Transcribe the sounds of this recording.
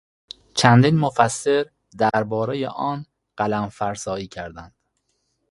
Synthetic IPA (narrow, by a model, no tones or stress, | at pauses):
t͡ʃʰænd̪iːnmofæsːe̞ɾ | d̪æɾbɒːɾejḛʔɒːn | ɢ̥ælæmfæɾsɒːiːcʰæɾd̪ænd̪̥